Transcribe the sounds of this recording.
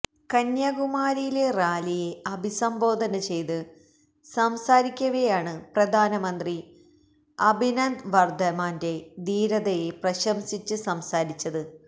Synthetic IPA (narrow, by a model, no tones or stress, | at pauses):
kɐnjɐɡumaːɾijile̞raːlije̞ɐbʱisɐmbo̞ːd̪ʱɐnɐt͡ɕe̞jt̪ɨ | sɐmsaːɾikʲːɐɣɐjaːɳɨprɐd̪ʱaːnɐmɐnd̪ri | ɐbʱinɐnd̪ʋɐrd̪ʱɐmaːnde̞d̪iːɾɐðɐjeprɐɕɐmsit͡ɕːɨsɐmsaːɾit͡ɕːɐðɨ